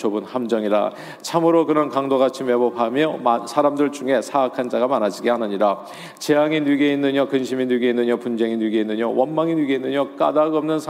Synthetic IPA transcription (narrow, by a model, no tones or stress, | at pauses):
t͡ɕobɯnhamd͡ʑʌŋiɾa̰ | t͡ɕʰamɯɾokɯɾʌnkaŋdoɡat͡ɕʰime̞bʌpʰamjʌmasʰaɾamdɯɭt͡ɕuŋe̞sʰaakʰand͡ʑaɡamanad͡ʑiɡeɦanɯɲiɾa | t͡ɕe̞jaŋinwiɡeinːɯɲʌkɯnɕʰiminwiɡeinːɯɲʌpund͡ʑe̞ŋinwɥiɡeinːɯɲʌwʌnmaŋinɥiɡeinːɯɲʌk͈a̰daɡʌmnɯnsʰ